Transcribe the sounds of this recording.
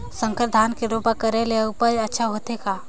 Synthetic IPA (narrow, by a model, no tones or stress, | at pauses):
sə̃ŋkəɾd̪ʱaːnkeɾoːpakəɾeleʊpəɾɐtːʃʰaɦoːt̪ekaː